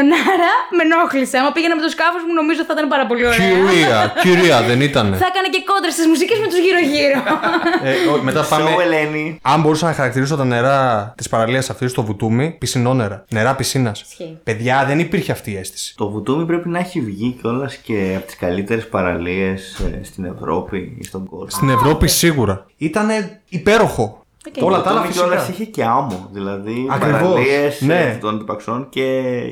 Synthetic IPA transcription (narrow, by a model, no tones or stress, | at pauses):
onɐɾɐme̞noxliseɐmɐpiʝenɐme̞t̪oskɐfozmuno̞mizot̪iθit̪ɐnepɐɾɐpo̞lioiiɐiɾiɐðenit̪ɐneθɐkɐnece̞ko̞d̪ɾest̪izmusicezmet̪uzʝiɾoʝiɾoeome̞t̪ɐpɐmeeleniɐmbo̞ɾusɐnɐxɐɾɐk̚t̪iɾiso̞t̪ɐne̞ɾɐt̪ispɐɾɐliɐsɐft̪ist̪o̞vut̪umipisino̞ne̞ɾɐne̞ɾɐpisinɐspe̞ðʝɐðe̞nipiɾçeɐft̪iːe̞st̪i̥si̥t̪o̞vut̪umipɾepinɐeçivʝico̞lɐsceɐpot̪i̥skɐlit̪e̞ɾespɐɾɐlie̞ssːt̪ine̞̰vɾo̞̰pḭst̪oŋɡolst̪ine̞vɾo̞pisiɣuɾɐit̪ɐne̞ipe̞ɾo̞xo̞ | olɐt̪ɐlɐfisolɐsiçece̞ɐmoðilɐðiɐkɾivosiesne̞t̪ond̪ipɐkso̞nce̞